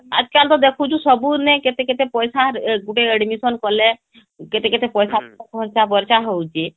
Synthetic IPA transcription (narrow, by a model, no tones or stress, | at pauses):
a̰d͡ʒkalt̪ɔd̪ekʰut͡ʃʰusɔbunɛket̪eket̪epɔjsaɡuʈeəɖmisɔnkɔle | ket̪eket̪epɔjsaabʱɔɾt͡ʃabəɾt͡ʃaɦɔwt͡ʃe